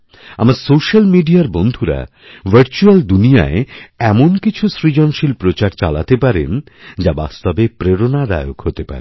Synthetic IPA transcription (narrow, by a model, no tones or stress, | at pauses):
a̰maɾsoʃalmiɖiaɾbond̪ʱuɾa̰ | bəɾt͡ɕuald̪unija̰eɛmonkit͡ɕʰusɾid͡ʑonʃilpɾot͡ɕaɾt͡ɕa̰la̰t̪epaɾḛn | d͡ʑabast̪ɔbepɾeɾonaɾa̰joɡɦot̪epa̰ɾe